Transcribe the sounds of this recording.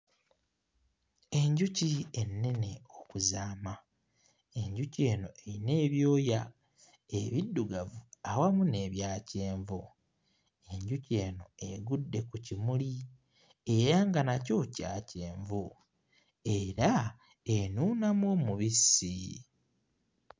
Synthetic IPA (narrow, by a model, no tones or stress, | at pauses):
e̞ɲɟucienːe̞ne̞okuzaːma | e̞ɲɟuce̞ːno̞eine̞ːβjo̞ːja | eβidːuɡavuawamune̞ːβjaːce̞ːɱvu | e̞ɲɟuce̞ːno̞eɡudːe̞kucimuli | e̞ɾaŋɡanaco̞ca̰ːce̞ːɱvu | e̞ɾa | enuːnamwomuβisi